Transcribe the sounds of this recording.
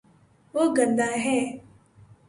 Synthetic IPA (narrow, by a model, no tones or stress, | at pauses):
oːɡənd̪aːɦɛː